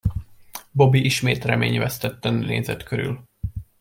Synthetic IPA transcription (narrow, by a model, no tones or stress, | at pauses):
bo̞biʔiʃmeːt̪rɛmḛːɲvɛst̪ɛt̪ːɛnneːzɛt̪kʰøɾy̰l